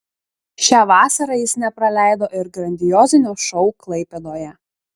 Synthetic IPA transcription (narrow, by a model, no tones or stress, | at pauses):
ʃʲæːʋɑːsɐɾɐjɪsnʲɛpɾɐlʲæˑɪd̪oːʔɪɾɡɾɐnʲd̪ʲɪjoːzʲɪnʲoːʃɔʊklˠɐɪpʲɛd̪oːjɛ